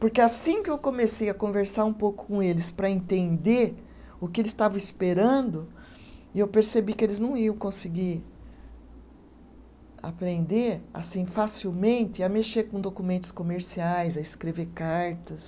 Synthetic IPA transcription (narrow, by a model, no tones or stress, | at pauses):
poɾkeasĩkɪewkõmesejɐkõveɾsaɾũpowkʊ̥kõelɪspɾɐẽnt̪ẽnd̪e | ʊkɪelɪst̪avɐ̃ispeɾɐ̃d̪ʊ | ɪewpeɾsebikɪelɪznɐ̃w̃iɐ̃w̃kõsɪɡiɾ | a̰pɾẽnd̪eɾa̰sĩfasiwmẽnt̪ɪɐmeʃekõd̪okumẽnt̪ʊ̥skomeɾsiajzɐɪskɾeveɾkaɾt̪ɐs